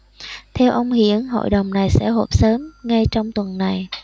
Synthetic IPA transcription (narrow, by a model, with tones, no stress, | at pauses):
t̪ʰɛ˧wʔə˧wŋ͡mhḭ˧˥ənɦo̰˧˨jɗə˨˩wŋ͡mna˨˩jsɛ̰˧˥ɦo˨˩p̚səː˨˦mŋa˧jt͡ɕɔ˧wŋ͡mt̪wə˨˩nna˨˩j